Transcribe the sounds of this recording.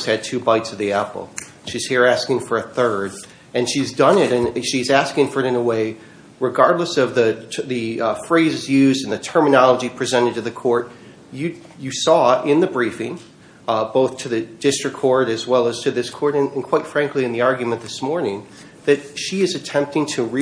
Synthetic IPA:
z̥hɨd̚tʰʉbaɪtsʌvðiæpl̩ˠ | ʃiz̥hiɹæskɪ̃ŋfə˞ɨθɜ˞d | ɨ̃nʃizdʌ̃nɪɾɨ̃nʃizæskɪ̃ŋfə˞ɨɾɨ̃nəweɪ | ɹɨɡɑɹdˡləsʌvðɨðɨfɹeɪzɨzjʉzdɨ̃n̩ðɨtʰɜ̃˞mɨnɑlˠəd͡ʒipʰɹ̥izɛ̃ɾ̃ɨd̚tʰɨðɨkʰɔɹt̚ | jɨ | jɨsɔɪ̃nðɨbɹifɪ̃ŋ | boʊθtʰɨðɨdɪstɹ̥ɨkʰːɔɹɾɨzwɛlˠəz̥tʰɨðɪskʰɔɹɾɨ̃nɨ̃nkʰw̥aɪtfɹæ̃ŋkliɨ̃nðiɑɹɡjmɨ̃nðɪsmɔɹnɪ̃ŋ | ðɨt̚ʃiɨzɨtʰɛ̃mp̚tɪ̃ŋtʰɨɹi

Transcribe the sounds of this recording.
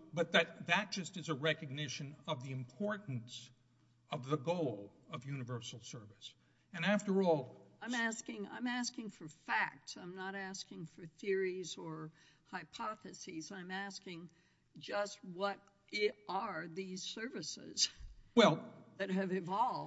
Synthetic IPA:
b̥ʌt̪̚ðɨt̪̚ðɨt̚d̥ʒ̥ʌstɨzəɹɛkɨɡ̚nɪʃɨ̃nʌvðiɨ̃mpʰɔɹʔn̩s | ʌvðəɡoʊlˠʌvjʉnɨvɜ˞sl̩ˠsɜ˞vɨs | ɨ̃næftə˞ɔlˠãɪ̃mæskɪ̃ŋã̰ɪ̃mæskɪ̃ŋfə˞fæk̚tsãɪ̃mnəɾæskɪ̃ŋfə˞θɪɹizə˞ | haɪpʰɑθɨsizãɪ̃mæskɪ̃ŋ | d͡ʒʌst̚wʌɾ | ɪɾʔə˞ðiz̥sɜ˞vɨsɪ̰z̥wɛlˠðɨt̚ɦɨvɨvɑlˠ

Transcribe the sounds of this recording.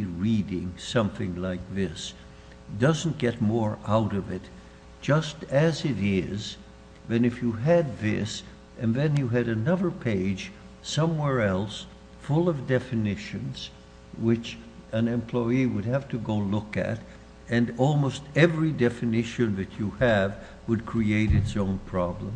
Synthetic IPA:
ɹiɾɪ̃ŋsʌ̃mθɪ̰̃ŋlaɪk̚ðɪs | d̥ʌzn̩ɡ̥ɛt̚mɔɹaʊɾʌvɪt̚ | d̥ʒ̥ʌstɨzɪɾɪz | ðɨ̃nɨfjɨɨd̪̚ðɪ̰s | ɨ̃nðɨ̃njɨɨɾɨnʌðə˞pʰeɪd̥d͡ʒ̥ | sʌ̃mwɛɹɛlˠs | fʊlˠʌvdɛfɨnɪʃɨ̃nz̥ | wɪt͡ʃɨ̃nɛ̃mpʰl̥ɔɪiwɨd̚ɨftʰɨɡoʊlʊkɨ̰ɾ | ɨ̃nɔlˠmoʊstɛvɹidɛfɨnɪʃɨ̃nðɨt͡ʃɨɨv | wəd̚kʰɹ̥ieɪɾɨtsõʊ̃npʰɹ̥ɑblə̰̃m

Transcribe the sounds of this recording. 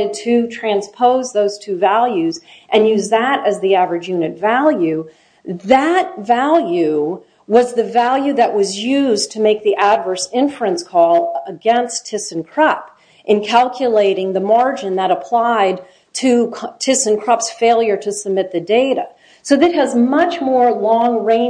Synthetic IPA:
ɾɨd̚tʰɨtʰɹ̥æ̃nspʰoʊzðoʊz̥tʰʉvælˠjʉzʔɨ̃njʉzðəɾɨzðiævɹɨd͡ʒjʉnɨtvælˠjʉ | ðɨt̚vælˠjʉ | wʌzðɨvælˠjʉðɨʔwʔʌzjʉztʰɨmeɪk̚ðiʔædvɜ˞sɪ̃ɱfɹəɨ̃nskʰɔlˠəɡɛ̃nstʰɪsɨ̃nkʰɹ̥ʌp | ʔɨ̃nkʰælˠkʰjɨleɪɾɪ̃ŋðɨmɑɹd͡ʒɨ̃nðəɾəpʰl̥aɪd̚ | tʰɨtʰɪsɨ̃nkʰɹ̥ʌpsfeɪlˠjə˞ɾɨsəb̚mɪt̪̚ðɨdeɪɾɨ | soʊðɨt̚ɦɨzmʌt͡ʃmɔɹlɔ̃ŋɹẽɪ̃

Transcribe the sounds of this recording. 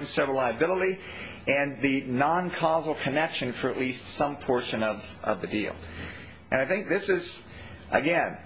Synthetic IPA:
nsɛvəlaɪɨbɪlˠəɾi | ɨ̃nðɨnɑ̃nkʰɑzl̩ˠkʰɨnɛkʃɨ̃nfə˞ɨʔˡlistsʌ̃mpʰɔɹʃɨ̃nʌvʌ̰vðɨdḭlˠ | ʔɨ̰̃naɪθɪ̃ŋk̚ðɪsɨz̥ | ʔɨɡɛ̃n

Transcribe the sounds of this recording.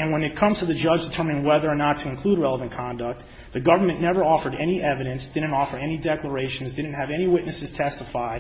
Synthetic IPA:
ɨ̃nwə̃nɨt̚kʰʌ̃mz̥tʰɨðɨd͡ʒʌd͡ʒdɨtʰɜ˞mɨ̃ñɪ̃ŋwɛðə˞ənətʰɨɨ̃nkʰl̥ud̚ɹɛlˠəvə̃nkʰɑ̃ndək̚t̪̚ | ðɨɡʌvə˞mɨ̃nːɛvə˞ɔfə˞ɾɛniʔɛvɨɾɨ̃nsd̥ɪdⁿn̩tɔfə˞ɛnidɛklˠə˞eɪʃn̩zdɪdⁿn̩t̚hɨvɛniwɪʔⁿnɨsɨz̥tʰɛstəfaɪd̚

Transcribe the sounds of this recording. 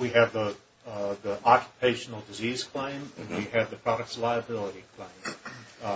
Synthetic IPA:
wiɨvði | ðiʔɑkʰjə̥pʰeɪʃn̩l̩ˠdɨziz̥kʰl̥ẽɪ̃mɨ̃nwiɨvðɨpʰɹ̥ɑɾɨk̚tslaɪɨbɪlˠəɾikʰl̥ẽɪ̃m

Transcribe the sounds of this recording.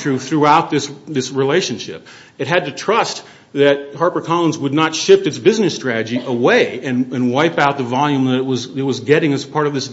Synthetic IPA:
ɹʉθɹuaʊt̪̚ðɪsðɪsɹileɪʃɨ̃nʃɪ̰p̚ | ɨt̚ɦɨd̚tɨtʰɹ̥ʌst | ðɨt̚hɑɹpə˞kʰɑlˠə̃nzwədⁿnətʃɪftɨtsb̥ɪznɨstɹ̥æɾɨd͡ʒiʔəweɪɨ̃nɨ̃nwaɪpaʊt̪̚ðəvɑlˠjʉ̃mðɨɾɨt̚wʌzɨt̚wʌzɡɛɾɪ̃ŋɨz̥pʰɑɹɾʌvðɪs

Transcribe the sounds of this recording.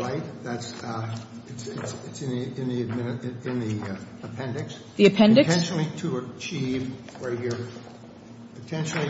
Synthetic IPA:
laɪt̚ðæts | ɨtsɪtsɪtsɨ̃niɪ̃nðiɨd̚mɪɾɨɪ̃nði | əpʰɛ̃ndɨks | ðiɨpʰɛ̃ndɨtʰɛ̃nʃnl̩ˠiɾəət͡ʃʰiv | wə˞jə˞ | ɨtʰɛ̃nʃnl̩ˠi

